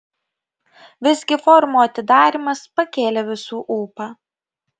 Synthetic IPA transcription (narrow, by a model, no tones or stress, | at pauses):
ʋʲɪzʲɡʲɪfɔɾmuːɐt̪ʲɪd̪ɑːɾʲimɐspɐkʲeːlʲeʋʲɪsuːʔuːpɑː